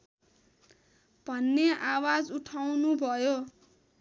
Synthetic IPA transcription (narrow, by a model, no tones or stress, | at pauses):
b̥ʱʌnːeʔawad͡zuʈʰawnubʱʌjo